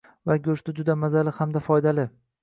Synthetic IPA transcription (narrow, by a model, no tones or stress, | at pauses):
vaɡʲɵʃt̪ɪd͡ʒʊd̪amazalɪhamd̪afɒjd̪alɪ